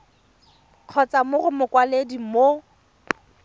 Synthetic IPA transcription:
q͡χʰɔt͡samʊrʊmʊkwaledimo

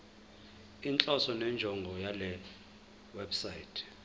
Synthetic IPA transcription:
int͡ɬʼɔsɔnɛnd͡ʒʱɔŋɡʱɔjalɛ | wɛbsaitʰ

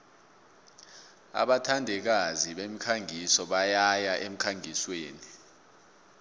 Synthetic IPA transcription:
a̰ɓatʰandʱɛk̬aziɓem̩kʰaŋʱisɔɓajajaʔem̩kʰaŋʱisweːni

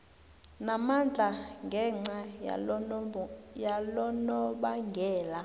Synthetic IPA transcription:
namand͡ɮʱaŋɡʱɛŋ͡ǀa | jalɔnɔɓaŋɡʱɛːla

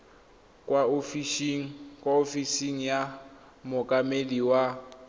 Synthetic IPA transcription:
kʼwaofiʃiŋ̩kʼwaofisiŋ̩ja | mʊkʼameliwa

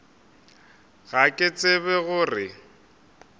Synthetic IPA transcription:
ɣakʼɪt͡sʼeβɛɣʊrɪ

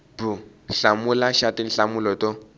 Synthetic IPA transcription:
bʊnɬamʊlaʃatin̩ɬamʊlɔto

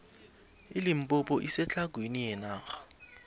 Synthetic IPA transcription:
ɪlim̩pʼɔpʼɔʔisɛt͡ɬʰaɡ̥ʱwenijɛnaːɣḁ

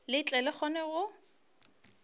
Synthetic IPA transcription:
lɪit͡ɬʼɛlɪχɔnɛɣʊ

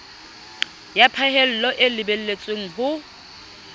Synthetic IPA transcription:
japʰaɦel̩lɔʔɪlɪbel̩let͡sʼweŋ̩ɦʊ

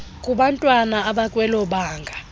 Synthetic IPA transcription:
kʼuɓantʼwanaːɓakʼwɛlɔɓaːŋɡʱa

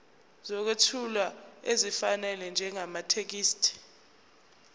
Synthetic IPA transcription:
zɔk̬wetʰulaezifanɛlɛnd͡ʒʱɛŋamatʰek̬iːstʰʼi̥

